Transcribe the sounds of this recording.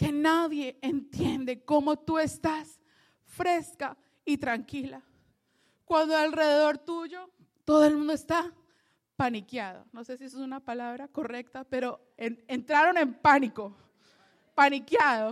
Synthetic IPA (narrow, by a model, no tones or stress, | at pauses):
ke̞naðje̞ːnt̪je̞nd̪e̞ko̞mo̞t̪ue̞st̪as | fɾe̞ska | it̪ɾaŋkila | kwand̪oalre̞ðe̞ðo̞ɾt̪uʝo̞ | t̪o̞ðoelmũnd̪oest̪a | panikjaðo̞̰no̞se̞siesosunapalaβɾako̞re̞k̚t̪ape̞ɾo̞ | enent̪ɾaɾo̞ne̞mpaniko̞ | panikjaðo̞